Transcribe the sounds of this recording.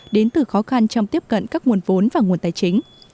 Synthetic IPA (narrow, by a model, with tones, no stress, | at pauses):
ɗe˨˦nt̪ɨ˨˩xɔ˨˦xa˧nt͡ɕɔ˧wŋ͡mt̪i˦˥əp̚kə̰˧˨nkaː˦˥k̚ŋu˨˩ənvo˨˦nvaː˨˩ŋ˨˩ənt̪aː˧˩jt͡ɕï˨˦ŋ̟